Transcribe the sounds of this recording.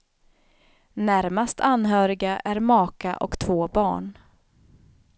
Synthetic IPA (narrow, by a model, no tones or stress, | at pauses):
næɾmast̪ʰanɦœːɾɪɡaʔæɾmɑːka̰ʔɔ̰kt̪ʰvoːbɑ̰ːɳ